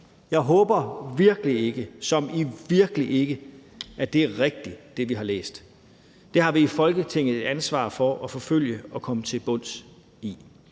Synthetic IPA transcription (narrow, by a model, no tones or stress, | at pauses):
jɑ̈ɪɦɔːb̥ɐʋiɐɡ̥əlie̝ɡ̥əsɒ̽miʋiɐɡ̥əliʔe̝ɡ̥ə | æd̥e̝æɐʁɛɡ̥̚d̥id̥e̝ʋiɦɑ̈lḛːsd̥ | d̥e̝hɑ̈ʋiːfɒ̽lɡ̥ət͡sʰe̝ŋ̰ð̩ˠe̝d̥ænsʋɑ̰̈ːfɒ̽ʔɒ̽fɒ̽føl̰jəɒ̽kʰɒ̽mət͡sʰe̝lb̥ɔ̽n̰s | i